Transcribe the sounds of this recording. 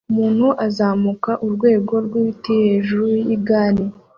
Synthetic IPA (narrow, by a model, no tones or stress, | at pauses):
umuːn̥huʔazaːmukaʔuɾɡwe̞ːɡo̞ɾɡwiitiheʒuɾuujiɡaːni